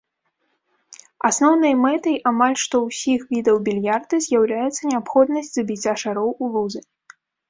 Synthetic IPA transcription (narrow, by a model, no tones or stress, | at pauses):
asnɔwn̪ɨjmɛt̪ɐjʔamalʲʂt̪ɔwsʲixvʲid̪ɐwbʲilʲjard̪ɨzʲjawlʲajɛt̪sːɐnʲɛapxɔd̪nɐsʲt͡sʲzabʲit͡sʲaʂaɾɔwulˠuzɨ